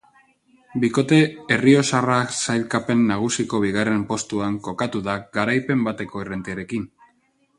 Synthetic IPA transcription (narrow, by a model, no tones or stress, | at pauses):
biko̞t̪e̞ːrio̞saraksajlkape̞nːaɣ̞usiko̞βiɣ̞are̞mpo̞st̪uaŋko̞kat̪uðaɡaɾajpe̞mbat̪e̞ko̞irent̪iaɾe̞kin